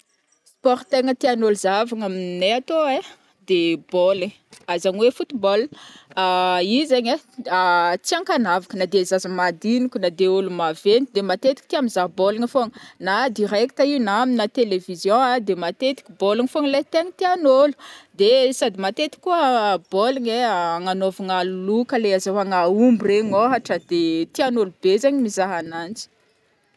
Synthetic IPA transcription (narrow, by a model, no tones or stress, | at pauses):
spɔɾt̪eŋət̪eanoluzavaŋamineat̪oe | d̪̥ebolə | azaɲwefut̪ibɔlaizeɲeat͡siãŋkanavakənad̪ezazəmad̪inikʲunad̪eolumavend̪emat̪et̪i̥k̚it̪iamizabolaŋifoŋənad̪irɛk̚t̪ainaminat̪elevizjɔ̃ad̪emat̪et̪i̥kʲubolaŋfoŋlat̪eŋit̪ianolu̥d̪esad̪imat̪et̪i̥kʲːuəboliɲeaŋanovaŋalulukəleazawaŋaumbureɲoɦaʈ͡ʂəd̪̥et̪ianolub̥ezeɲimizaɦanant͡si̥